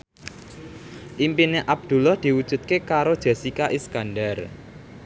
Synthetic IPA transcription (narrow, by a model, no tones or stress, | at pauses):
ʔimpineʔab̚d̪̥ṳlɔhd̪̥i̤wud̥ʒ̥ṳt̪̚kekaɾod̥ʒ̥e̤sikaʔiskanɖar